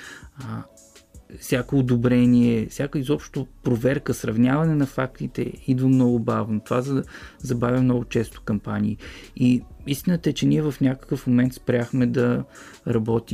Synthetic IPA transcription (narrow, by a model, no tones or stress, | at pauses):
fsʲakoːd̪obɾɛniɛfsʲjakoizɔpʃt̪opɾovɛɾkəsɾɐvnʲjavɐnɛnɐfak̚t̪it̪ɛ̰id̪vəmnɔɡʊbavnot̪ovazzɐbavʲɐmnɔɡʊt͡ʃɛst̪o̥kɐmpanʲiːiist̪inət̪əɛt͡ʃɛniɛvɐfnʲakə̥kəfmomɛnt̪spɾʲaxmɛd̪ɐ | ɾɐbɔt̪im